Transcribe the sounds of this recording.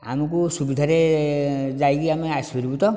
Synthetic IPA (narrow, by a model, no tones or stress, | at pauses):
a̰mɔkusubid̪ʱaɾe | d͡ʒajkiameasbʱeɾibut̪ɔ